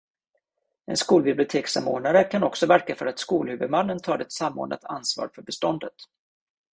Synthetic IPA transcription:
ɛ̰nskuːlbɪblɪʊt̪ʰeːksa̰mo̰ːɖɳaɾəkʰanɔksɔvæɾkafœɾat̪skuːlhʉ̟ːvɵd̪manːənt̪ʰɑːd̪ɛt̪samːo̰ːɳʔa̰t̪ʰansvɑ̰ːɾfœɾbɛst̪ɔnd̪ət̪

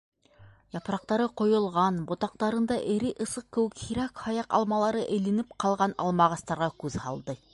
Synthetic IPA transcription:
jɑpɾɑq̚t̪ɑɾəqʰo̞jəlˠʁɑnbot̪ɑq̚t̪ɑɾənd̪ɑʔeɾeʔə̆səq̚kʲɵwɪkhiɾɑkhɑjɑqɑ̰lˠmɑlˠɑɾəʔejlĕnɪp̚qʰɑlˠʁɑnɑ̰lˠmɑʁɑst̪ɑɾʁɑkʲʰɵzhɑlˠd̪ə

